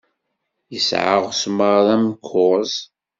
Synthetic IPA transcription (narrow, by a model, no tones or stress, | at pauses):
jəsʕa̰ʁsməɾðˤæmkʰːʊz